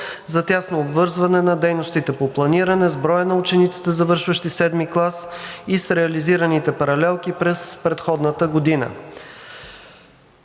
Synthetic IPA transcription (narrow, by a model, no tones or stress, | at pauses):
zɐt̪ʲjasnoːbvɤɾzvɐnɛnɐd̪ɛjnost̪it̪ɛpoplˠɐniɾɐnɛzbɾɔjənɐut͡ʃɛnit̪si̥t̪ɛzɐvɤɾʃvəʃt̪isɛd̪miklˠasisɾɛɐliziɾɐnit̪ɛpɐɾɐlɛlˠkipɾɛspɾɛt̪xɔd̪nət̪əɡod̪inə̰